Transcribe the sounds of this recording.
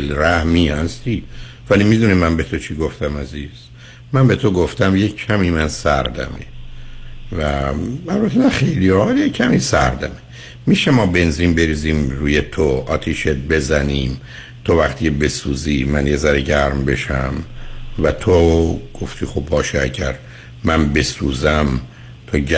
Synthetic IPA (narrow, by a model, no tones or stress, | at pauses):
lɾæhmiːhæst̪iː | vælimid̪unemænbe̞t̪ʰo̞t͡ʃʰiːɡo̞ft̪æmæziːz̥ | mænbe̞t̪ʰoɡoft̪æmjekʰːæmiːmænsæɾd̪æ̰mḛ | væælbæt̪ʰːenæχejliɒjekʰːæmiːsæ̰ɾd̪æ̰me | miːʃemɒːbe̞nziːnbe̞ɾiːziːmɾuːjet̪ʰoʔɒːt̪ʰiːʃet̪̚be̞zæniːm | t̪ʰo̞væχt̪iːebe̞suːziːmænje̞zæɾeɟæɾmbe̞ʃæmvæt̪ʰoɡ̥o̞ft̪ʰiːxobːɒːʃeæɟæ̰ɾ | mænbe̞suːzæm | t̪ʰoɟ